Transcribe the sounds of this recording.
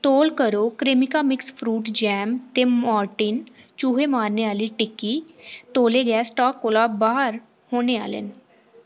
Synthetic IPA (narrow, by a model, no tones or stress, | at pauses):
t̪oːlkəɾoːkɾɪmɪkaːmɪkspʰɾuːʈd͡ʒɛːmt̪eːmmɔːɾʈiːnt͡ʃuːɦeːmaːɾneːaːliːʈɪkːiː | t̪oːleːɡɛːsʈaːkːoːlaːbaːɦəɾ | hoːñeːa̰ːlḛn